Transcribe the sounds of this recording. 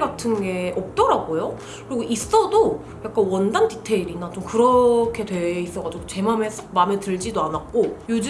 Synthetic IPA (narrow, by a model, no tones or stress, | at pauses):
ɡatʰɯnɡe̞ʔʌp̚t͈ʌɾaɡojo | kɯɾiɡoʔis͈ʌdo | jak͈anwʌndanditʰeiɾinat͡ɕomkɯɾʌkʰe̞dwe̞is͈ʌɡad͡ʑiɡot͡ɕe̞mame̞sʰmametɯɭd͡ʑidoanak̚k͈ojud͡ʑu